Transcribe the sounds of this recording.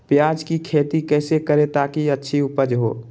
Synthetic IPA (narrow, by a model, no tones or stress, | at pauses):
pjaːd͡ʒkikʰeːt̪ikɛːsekəɾet̪aːkiətːʃʰiʊpəd͡ʒɦo̰ː